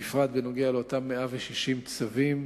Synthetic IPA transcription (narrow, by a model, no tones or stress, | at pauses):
ifʁat̪beno̞ɡealeot̪amːeaveʃiʃimt͡savim